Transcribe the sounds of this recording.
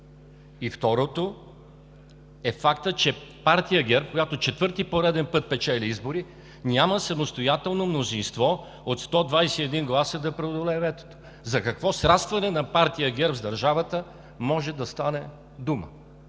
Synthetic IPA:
ift̪ɔɾot̪o | ɛfakt̪ət͡ʃɛpaɾt̪ijəɡʲɛɾp̚kojat̪ot͡ʃɛt̪vɤɾt̪ipoɾɛd̪ɛnpɤt̪̚pɛt͡ʃɛlʲiizboɾi | nʲaməsɐmost̪ojat̪ɛlˠnomnozinst̪vɔ | ot̪st̪ɔd̪vajsɛiɛd̪inɡlˠasəd̪ɐpɾɛod̪olɛvɛt̪o̥t̪o̥ | zɐkɐkvɔsɾast̪vɐnɛnɐpaɾt̪ijəɡʲɛɾbzd̪ɐɾʒavət̪ə | mɔʒɛd̪ɐst̪anɛ | d̪umə̰

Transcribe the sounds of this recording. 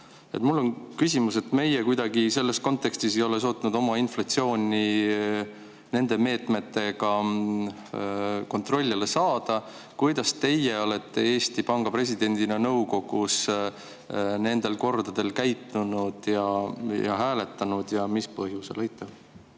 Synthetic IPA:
e̞t̪mulːo̞nkysimuse̞t̪me̞jekujd̪̥ɑɡise̞lːe̞sko̞nt̪ːˑe̞kst̪isejo̞le̞s̬o̞ːt̪ːˑnud̪o̞mɑinflɑt̪sio̞ːnʲi | ne̞nd̪̥e̞me̞ːt̪me̞t̪ːe̞ɡ̥ɑ | ko̞nt̪ro̞lʲːilesɑːd̪̥ɑ | kujd̪ɑst̪e̞jeo̞le̞t̪ːe̞eːst̪ipɑŋɡ̥ɑpre̞s̬ʲid̪̥e̞nʲd̪̥inenɤ̞wko̞ɡ̥us | ne̞nd̪̥e̞lko̞rd̪̥ɑd̪̥e̞lkæjt̪ːˑunud̪̥jɑjɑ̰ɦæːle̞t̪ːɑnud̪̥jɑmispɤɦjuselɑjt̪ːˑɑb̥̚

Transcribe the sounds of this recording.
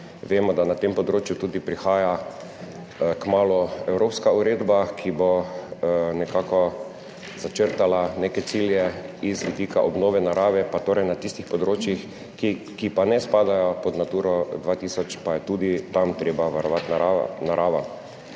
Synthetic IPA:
ʋeːmɔd̪anat̪empɔd̪ɾoːt͡ʃjut̪uːd̪ipɾixaːja | kmaːlɔɛwɾoːpskauɾeːd̪bakʰibɔ | nɛkaːkɔ | zat͡ʃəɾt̪alanekɛt̪siljɛizʋid̪iːkaʔɔbnoːʋɛnaɾaːʋɛpat̪oːɾɛjnat̪ist̪ixpɔd̪ɾoːt͡ʃjix | ki | kipanɛspaːd̪ajɔpɔd̪nat̪uːɾɔd̪ʋaːt̪iːsɔt͡ʃpajɛt̪uːd̪it̪amt̪ɾeːbaʋaɾɔʋat̪naa̰naɾʔaːʋa

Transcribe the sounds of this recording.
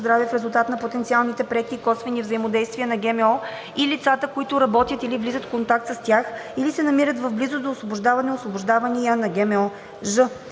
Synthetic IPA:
zd̪ɾavifɾɛzʊlˠt̪at̪nɐpot̪ɛnt̪sialˠnit̪ɛpɾɛkiːkɔsvɛnivzəimod̪ɛjst̪viənɐɡɛmɛɔ | ilit̪sat̪əkoit̪ʊɾɐbɔt̪ʲjət̪ilivlizət̪fkont̪akt̪səst̪ʲjaxilisɛnɐmiɾət̪vɐvblizod̪oːsvoboʒd̪avɐnɛosvobʊʒd̪avɐnijənɐɡɛmɛɔ | ʒɤ

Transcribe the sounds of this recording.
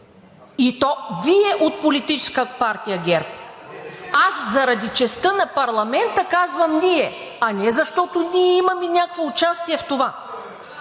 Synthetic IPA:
it̪ɔviɛʔot̪̚polit̪it͡ʃɛ̥skəpaɾt̪ʲijɐɡʲɛɾp̚ | aszɐɾɐd̪it͡ʃɛst̪ənɐpɐɾlˠɐmɛnt̪əkazvɐmniɛɐnɛzɐʃt̪ɔt̪oniɛimɐminʲakvoʊt͡ʃast̪iɛft̪ova

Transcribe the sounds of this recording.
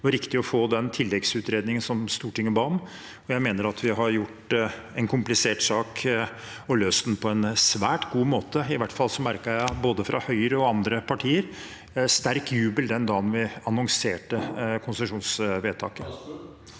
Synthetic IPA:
ʋɑɾɪkt̪ɪɔfoːd̪ɛnt̪ʰɪlːɛɡsʉːt̪ɾeːd̪nɪŋənsɔmst̪uːʈɪŋːəbɑːm | ɔjæɪmeːnəɾɑt̪ʰʋɪɦɑɾjʊʈː | ɛnkʰʊmplɪseːʈsɑːk | ɔløːst̪npʰɔɛnsʋæːʈɡuːmoːt̪əɪʋæʈfɑlsɔmæɾkəjæboːd̪əfɾʔɑ̰hœʏɾəɔɑnd̪ɾəpʰɑʈʰiːəɾ | st̪æɾkjʉːbəld̪ɛnd̪ɑːnʋɪɑnɔŋseːʈəkʰʊnsɛʂuːnsʋeːt̪ʰɑ̰ːkə

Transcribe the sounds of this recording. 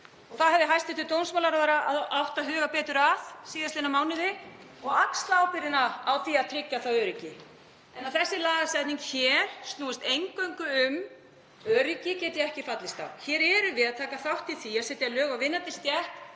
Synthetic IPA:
ɔɣθaðhɛvðɪɦajst̪ɪt̪ʰɪt̪ownsmawlaɾaðaɾaaðawht̪aɦʏːɣapɛːt̪ʏɾað̥siːðast̪enamaːwnɪðɪ | ɔɣakst̪aːwpɪɾɪnaawθiaðt̪ʰɾɪcːaθawœːɾɪcɪ | ɛnawθɛsːɪlaːɣasɛt̪niŋkçɛːɾ̥st̪nuːɪst̪ejŋkœɥŋkʏʏm | œːɾɪcɪcɛːt̪ɪɛhcɪfat̪lɪst̪a̰wçɛːɾɛɾʏvɪðat̪ʰaːkaθawht̪iθiasɛt̪ɪalœːɣavɪnːat̪ɪst̪jɛht̪

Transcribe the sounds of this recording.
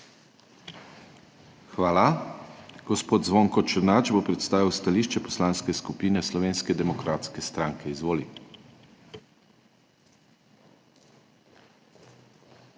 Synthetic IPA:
xʋaːla | ɡ̥ɔspoːd̪̚zʋoŋkɔt͡ʃəɾnaːt͡ʃbopɾɛt̪st̪aːʋiwst̪aliʃt͡ʃɛpɔslaːnskɛskupiːnɛslɔʋeːnskɛd̪ɛmɔkɾaːt̪skɛst̪ɾaŋkʰɛizʋoːli

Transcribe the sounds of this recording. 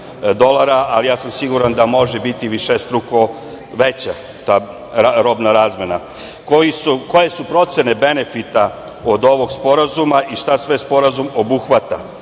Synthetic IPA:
d̪o̞lˠaɾaʔalijaːsamsiɡuɾand̪amo̞ʒebit̪iʋiʃest̪ɾuko | ʋet͡ɕa | t̪a | aɾo̞bnaɾaːzme̞na | kojisuko̞je̞supɾo̞t̪se̞ne̞be̞ne̞fit̪a | od̪o̞ʋo̞ɡspo̞ɾazumaʔiʃt̪asʋespo̞ɾazumo̞buxʋat̪a

